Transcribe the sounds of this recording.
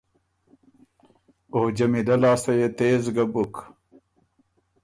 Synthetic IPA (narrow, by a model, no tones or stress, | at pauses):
od͡ʑɐmidɐlaːsɐjet̪eːzɡɐbuk